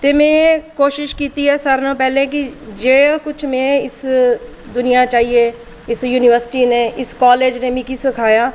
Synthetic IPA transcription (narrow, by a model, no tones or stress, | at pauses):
t̪eːmɛ̃ːkoːʃɪʃkiːt̪iɦɛsaɾnõpɛːlekid͡ʒeːkʊt͡ʃʰmẽːɪs | d̪ʊnijat͡ʃaːɦie | ɪsjuːnɪʋəɾsɪ̥ʈineʔɪskɔːleːd͡ʒnemɪ̃kisəkʰaːjaː